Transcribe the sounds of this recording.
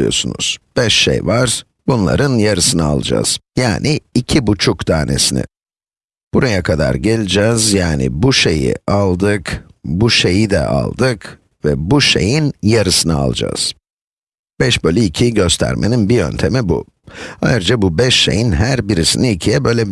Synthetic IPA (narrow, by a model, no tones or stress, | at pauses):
ɯjo̞̰sunṵz̥b̥ɛʃːḛjvaɾ̥ | bunlˠa̰ɾɯnjaɾɯsɯnɯa̰lˠd͡ʒa̰ːz̥jaːniːcʰibut͡ʃʰukd̪aːne̞̰sinɪ̰ | b̥uɾajakʰad̪a̰ɾɟelʲid͡ʒɛzjaːnḭbuʃe̞jḭalˠd̪ɯkbuʃe̞jid̪ɛ̰ʔa̰lˠd̪ɯk | vɛbuʃe̞̰jinjaɾɯsɯnɯa̰lˠd͡ʒa̰ːz̥ | b̥ɛʃbølʲɛicʰiɟø̞st̪ʰæ̰ɾmʔeninbiø̞̰nt̪ʰe̞mibṵ | a̰jɯɾd͡ʒabubɛʃːe̞̰jinɦæɾbiɾisiniicʰijɛbø̞jlʲɛ